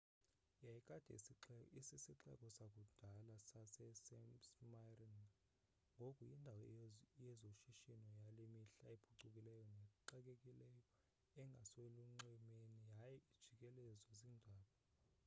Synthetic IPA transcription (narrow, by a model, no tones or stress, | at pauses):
jajikʼad̥ʱɛ̰siɛisisiǁɛ̰kʼɔsakʼud̥ʱalasasɛsɛsmarin | ŋɡʱokʼujindʱawɔjɛzoʃiʃinɔjalimiɬaeb̥ʰʱuǀukʼilɛjɔnɛǃɛk̬ʼekʼilɛjɔ | ɛŋɡʱasweluŋ͡ǀɛmenijajɛi̥ʒ̥ʱikʼɛlɛzɔziːndʱaːɓɔ